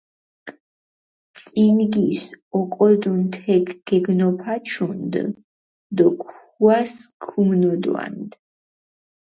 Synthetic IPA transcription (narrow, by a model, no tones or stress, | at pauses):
t̪sʼinɡisɔkʼɔd̪unt̪ʰɛkʰɡ̥ɛɡnɔpʰat͡ʃʰund̪ | d̪ɔkʰ | uaskʰumnɔd̪wa̰nd̪